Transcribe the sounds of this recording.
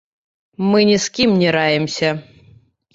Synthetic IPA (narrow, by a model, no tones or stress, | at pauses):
mɨnʲiskʲimnʲiɾajɪmsʲɐ